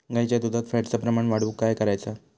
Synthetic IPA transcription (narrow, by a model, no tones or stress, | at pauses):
ɡajt͡ɕjad̪ud̪ʱat̪faʈt͡sapɾəmaɳʋaɽuːkːajkəɾajt͡sa